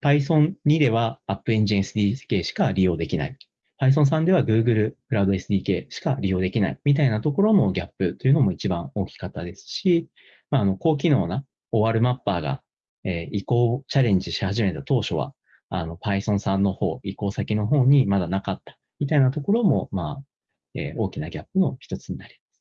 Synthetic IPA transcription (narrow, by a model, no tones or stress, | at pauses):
paisõ̞nnʲid̪e̞β̞aːpːɯ̟ẽɲ̟d͡ʑiẽsɨd̪ʲi̥ːke̞ːɕi̥kaɾʲijo̞ːd̪e̞kʲina̰i | pais̬õs̬ãnd̪e̞β̞aɡɯ̟ːɡɯ̟ɾɯ̟kɯ̟ɾad̪o̞e̞sɨd̪ʲiːke̞ːɕi̥kaɾʲijo̞ːd̪e̞kʲina̰ḭmʲit̪ainat̪o̞ko̞ɾo̞mo̞ɡʲapːɯ̟t̪ːo̞jiɯ̟no̞mo̞it͡ɕibãɰ̃o̞ːkʲi̥kat̪ːad̪e̞sɨ̥ɕi | maːno̞ko̞ːk̬ʲino̞ːna | o̞βaɾɯ̟mapːaːɡa̰ | eːiko̞ːt͡ɕaɾẽ̞ɲ̟d͡ʑiɕihaʑime̞t̪at̪o̞ːɕo̞β̞a̰ | a̰no̞paisõ̞ɰ̃sãnːo̞ho̞̰ːiko̞ːsakʲino̞ɦo̞ːɲ̟imad̪anakat̪ːḁ | mʲit̪ainat̪o̞ko̞ɾo̞mo̞maː | ḛːo̞ːkʲinaɡʲapːɯ̟no̞çʲi̥t̪o̞t͡sɨɲ̟inaɾʲimasɨ̥